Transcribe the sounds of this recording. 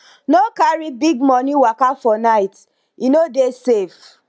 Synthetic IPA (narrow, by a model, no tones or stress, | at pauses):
nokaɹibiɡmɔniwakafɔnaɪt | inodesef